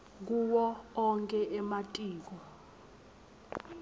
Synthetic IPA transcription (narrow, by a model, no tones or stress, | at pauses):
k̬uwɔɔŋkʼɛʔɛmatʼiːk̬ɔ